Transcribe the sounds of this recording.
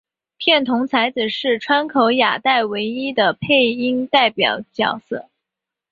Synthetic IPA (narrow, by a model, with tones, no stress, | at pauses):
pʰjɛ˥˩nt̪ʰʊ˧˥ŋt͡sʰa˧˥ɪd͡zɹ̩˨˩ʂɻ̩˥˩ʈ͡ʂʰwa˥nkʰo˧˥ʊja̰˨˩t̪a˥˩ɪwe˧˥ɪi˥d̪ə˨pʰe˥˩ɪi˥ŋt̪a˥˩ɪpjɑ̰˨˩ʊt͡ɕjɑ̰˨˩ʊsɤ˥˩